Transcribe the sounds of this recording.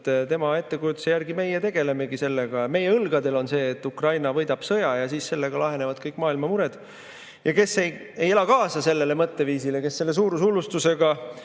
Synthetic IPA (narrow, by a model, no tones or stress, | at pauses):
t̪ːt̪e̞mɑe̞t̪ːe̞kujut̪ːu̥sejærɡ̥ime̞jet̪e̞ɡ̥e̞le̞me̞ɡ̥iselːeɡ̥ɑme̞jːeɤlɡ̥ɑd̪e̞lo̞nse̞ːt̪ːˑukrɑjnɑvɤjd̪ɑb̥sɤjɑjɑsiːsse̞lːe̞ɡ̥ɑlɑɦe̞nevɑd̪̥̚kɤjkːˑmɑːilmɑmuɾed̪̥ | jɑke̞sːe̞j | ejelɑkɑːsɑse̞lːe̞lemɤt̪ːe̞viːsileke̞sːe̞lːe̞s̬uːɾusulust̪use̞ɡ̥ɑ